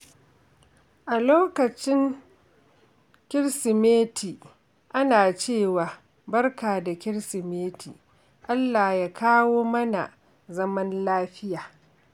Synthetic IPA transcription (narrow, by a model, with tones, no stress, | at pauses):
ʔa˨loː˦kɐ˨t͡ʃɪ˦ŋ | kʲɪ˦ɽsɪ˨meː˦tʰiː˨ | ʔa˦naː˨t͡ʃeː˦˨waː˨ | bɐ˦rkaː˨da˨kʲɪ˦ɽsɪ˨meː˦tʰḭː˨ | ʔa˦lːaː˨jaː˦kʰaː˦woː˦mɐ˦na̰˨ | zɐ˦mɐ˦nlaː˦ɸɪ˦jaː˨